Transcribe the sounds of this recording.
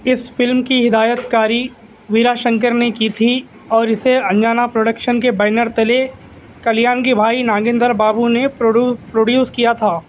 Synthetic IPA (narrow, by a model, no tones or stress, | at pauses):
ɪsfɪlmkiɦɪd̪aːjət̪kaːɾi | ʋiːɾaːʃə̃ŋkəɾnekit̪ʰi | ɔːɾɪseɐ̃nd͡ʒaːnapɾoːɖəkʃənk̬ebɛːnəɾt̪ɐle | kɐljaːnkebʱaːinãːɡɪ̃nd̪əɾbaːbunepɾoːɖjuːskijat̪ʰaː